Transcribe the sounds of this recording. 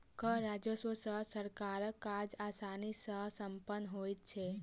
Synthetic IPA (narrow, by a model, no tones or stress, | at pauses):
kəɾad͡ʒəswəsəsəɾkaɾəkːad͡ʒaːsaːnisəsəmpənːɦoːit̪̚t͡ʃʰe